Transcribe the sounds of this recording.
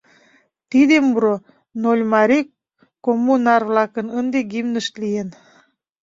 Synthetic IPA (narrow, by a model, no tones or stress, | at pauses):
t̪id̪emuɾo | nolʲmɑɾi | komːunɑrvlɑkənənd̪eɡimnəʃt̪lijen